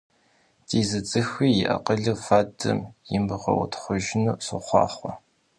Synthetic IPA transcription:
tʰiːzɨt͡sʼɨxiːjɪ̰ʔɐ̰qəɮɨfaːdʰɨ̰mjɪmbɨʁʷɔ̰wɐ̰tʰχʷʊʒɪnuːsʊχʷɑ̰ːχʷɔ

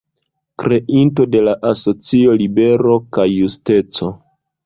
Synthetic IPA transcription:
kɾe̞ʔinto̞de̞laʔaso̞t͡sio̞libe̞ɾo̞kajːuste̞t͡so̞

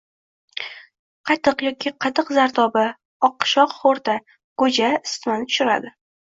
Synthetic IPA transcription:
qʰɑt̪ʰɨqjɒkʲʰiqʰɑt̪ʰɨqzaɾt̪ɒba | ɒqːʃɒqχoɾt̪ʰa | ɡ̥ɵd͡ʒaɪst̪mant̪ʰʊ̥ʃɪɾa̰d̪ɪ

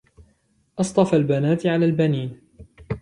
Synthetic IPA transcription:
ʔɑsˤt̪ˤɑfalbanaːt̪ʕalaːlbaniːn

